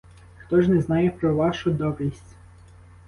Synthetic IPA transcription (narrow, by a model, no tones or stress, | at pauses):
xt̪ɔʒnɛznɑjɛpɾɔʋɑʃʊd̪ɔbɾʲisʲtʲ